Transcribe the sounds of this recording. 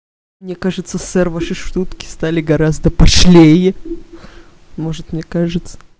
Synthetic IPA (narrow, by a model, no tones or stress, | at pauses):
mnʲekaʐɨt̪səsɛrvəʂɨʂt̪ut̪kʲɪ̥st̪alʲɪɡɐɾazd̪əpɐʂlʲejɪ | mo̞ʐɨt̪mnʲekaʐɨt̪sə̥